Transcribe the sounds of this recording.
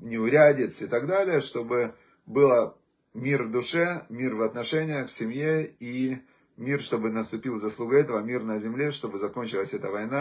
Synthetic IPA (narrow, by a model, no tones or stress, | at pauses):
nʲɪʊɾʲædʲɪt̪sɪt̪aɡd̪alʲɪjəʂt̪o̞bɨ | bɨlˠə | mʲirvd̪ʊʂɛmʲirvɐt̪nɐʂɛnʲɪjəxksʲɪmjei | mʲirʂt̪o̞bɨnəst̪ʊpʲilˠzɐslˠuɡəɛt̪əvəmʲirnəzʲɪmlʲeʂt̪o̞bɨzɐko̞nʲt͡ɕɪlˠəsʲɛt̪əvɐjna